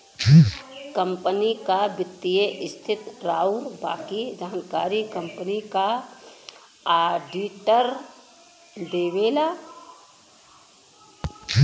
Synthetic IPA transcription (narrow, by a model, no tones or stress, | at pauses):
kə̃mpənikabɪt̪ːijeʔɪst̪ʰɪt̪ɾaːuɾba̰ːkid͡ʒaːnkaːɾikə̃mpənika | aːɖiːʈəɾ | d̪eːʋeːla